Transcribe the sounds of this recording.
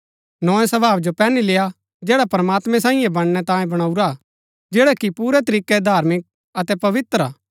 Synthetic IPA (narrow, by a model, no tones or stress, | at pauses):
nɔːɛ̃sɐbaːʋd͡ʒopɛːnileːja | d͡ʒɛːɽapɐɾəmaːt̪mɛ̃sãːĩːɛ̃bɐɽ̃ñɛt̪ãːjẽbɐɽ̃aːuɾa | d͡ʒɛːɽakipuːɾɛt̪ɐɾiːkːɛd̪ʱaːɾmɪk̚ | ɐt̪ɛpɐʋɪt̪ɾaː